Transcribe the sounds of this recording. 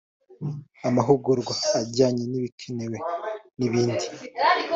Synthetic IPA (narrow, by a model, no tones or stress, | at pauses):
amaɦuɡuɾɡwaːɟaːɲeniβikʰenewe̞niβiːndi